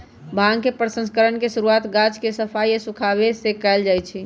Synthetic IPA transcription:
bʱaɡkepɾəsə̃nskəɾənkeʃuɾuat̪ɡad͡ʒkesəpʰaiesukʰabesekɛld͡ʒajt͡ʃʰi

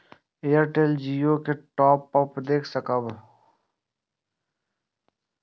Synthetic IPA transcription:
ejəɾʈeːld͡ʒijoːkeʈɔːpːɐpd̪eːkʰsəkəb

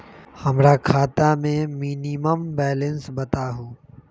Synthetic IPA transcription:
hɐmɾakʰaːt̪amẽmiːniməmbɛːlə̃nsbɐt̪aɦõː

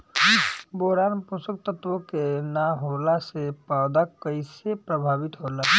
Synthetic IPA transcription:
boɾanpusək̚t̪ət̪wəkenaɦolasepawd̪akəɪsepɾəbʱaːbit̪ɦola

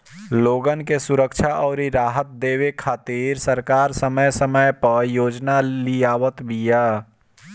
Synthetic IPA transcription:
loːɡənkesʊɾəkʃʰaʔɔːɾiɾaːɦət̪̚d̪eːwekʰaːt̪iːɾsəɾkaːɾsəməjsəməjpəɾjoːd͡ʒnalijaːʋət̪bʱijaː

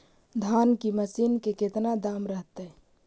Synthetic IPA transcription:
d̪ʱaːnkiməsiːnkeket̪nad̪aːmɾəɦt̪ɛ

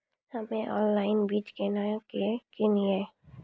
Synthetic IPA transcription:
həmẽʔɔ̰ːnlaːɪnbiːt͡ʃkenakekelie

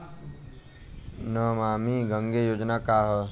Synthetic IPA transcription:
nəmamiɡʱəŋɡejoːd͡ʒnakaɦə

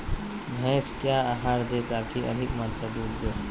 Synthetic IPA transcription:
mʱɛ̃ːskjaːaɦaːɾd̪ekakʰiʔɐ̰d̪ʱɪkmɐ̃nt͡ʃəd̪uːɾd̪eː

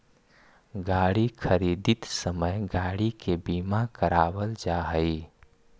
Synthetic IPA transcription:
ɡaːɽikʰəɾiːd̪ɪt̪səməjɡaːɽikebiːmakəɾaːwəld͡ʒaɦəi

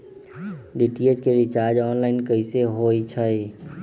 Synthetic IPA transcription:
ɖiʈied͡ʒkeɾit͡ʃaːɾd͡ʒɔːnlaːɪnkəɪseɦoːit͡ʃʰəi

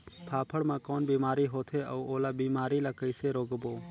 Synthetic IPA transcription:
pʰaːpʰəɽmãːkoːnbiːmaːɾiːɦoːt̪ʰeːəuoːlaːbiːmaːɾiːlaːkəɪseːɾoːɡboː

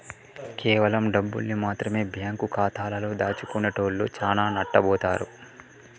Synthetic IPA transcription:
kɛːʋɐlɐmɖɐbːṵlnimaːt̪ɾɐme̞ːbʱjaːŋkukaːt̪ʰaːlɐloːd̪aːt͡ʃukunːɐʈoːllṵt͡ʃaːnaːnɐʈːɐbɔːt̪aːɾṵ

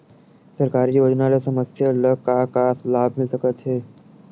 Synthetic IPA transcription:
səɾkaːɾiʋɐd͡ʒənalesɐməsjaləkakaːslaːbʱmɪlsəkət̪ɦeː

